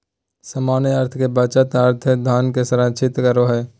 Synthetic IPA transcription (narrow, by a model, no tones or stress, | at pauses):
səmaːnəɾt̪ʰkebaːt͡ʃət̪əɾt̪ʰɛd̪ʱaːnkesəɾãːt͡ʃʰɪt̪kəɾoɦɛː